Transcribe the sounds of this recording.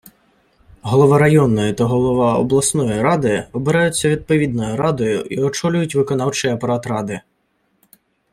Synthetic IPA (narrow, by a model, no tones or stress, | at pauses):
ɦɔlˠɔʋɑɾɐjɔnːɔjɪt̪ɐɦɔlˠɔʋɑɔ̰blˠɐsnɔjiɾɑd̪ɪɔbɪɾɛjʊt͡sʲːɐʋʲid̪̚pɔʋʲid̪nɔjʊɾɑd̪ɔjʊʔiɔt͡ʃɔlʲʊjʊtʲʋɪkɔnɑwt͡ʃɪjɐpɐɾɑt̪ɾɑd̪ɪ